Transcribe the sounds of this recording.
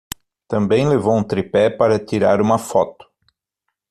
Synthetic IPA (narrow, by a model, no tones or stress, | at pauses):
t̪ɐ̃mbẽj̃levowũt̪ɾipɛpaɾɐt̪iɾa̰ɾũmɐfɔt̪ʊ̥